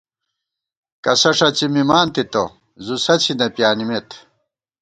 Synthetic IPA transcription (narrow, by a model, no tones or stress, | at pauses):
kɐsɐʂɐt͡ɕimimaːnt̪it̪o | zusɐt͡ɕʰinɐpjaːnimet̪